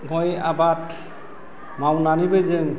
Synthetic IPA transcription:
ɡɔjabat | mawnanibezeŋ

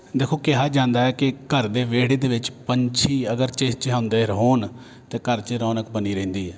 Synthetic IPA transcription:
d̪eːkʰoːkɪɦaːd͡ʒãːnd̪aːɛːkɪkəɾd̪eːʋeːɽeːd̪eːʋɪt͡ʃpəɲt͡ʃʰiːəɡəɾt͡ʃeːt͡ʃɦãʊ̃nd̪eːɾɦoːn | t̪eːkəɾt͡ʃeɾɔːnəkbəniːɾɛ̃ːnd̪iːɦɛː

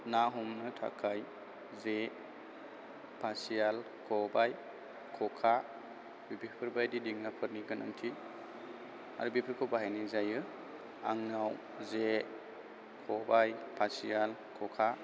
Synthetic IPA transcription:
naɦumnɯtʰa̰kʰaj | ze | pʰasial | kʰɔbaj | kʰɔkʰa | bibipʰɯɾbajdidiŋnapʰɯɾniɡɯnʔa̰ŋtʰi | a̰ɾubipʰɯɾkʰɔbaɦajnizajɯ | a̰ŋnaw | ze | kʰɔbajpʰasijalkʰɔkʰa

